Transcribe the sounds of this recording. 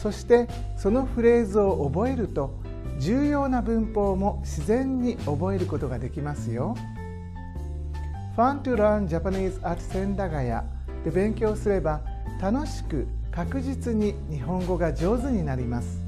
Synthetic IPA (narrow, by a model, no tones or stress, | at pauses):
so̞ɕi̥t̪e̞ | so̞no̞ɸɯ̟ɾe̞ːzɨo̞ʔːbo̞e̞ɾɯ̟t̪o̞ | d͡ʑɨːjo̞ːnabɯ̟̃mpo̞ːmo̞ɕizẽ̞ɲ̟ːio̞bo̞e̞ɾɯ̟ko̞t̪o̞ɡad̪e̞kʲimasɨjo̞ | ɸãnt̪ɯɾãɲd͡ʑapaɲiːzɨat̪i̥sẽ̞nd̪aɡaja̰ | t̪e̞bẽ̞ŋkʲo̞ːsɨɾe̞ba | t̪ano̞ɕi̥kɯ̟ | kakɯ̟ʑit͡sɨɲ̟iɲ̟iɦõ̞ŋɡo̞ɡad͡ʑo̞ːzɨɲ̟inaɾʲimasɨ̥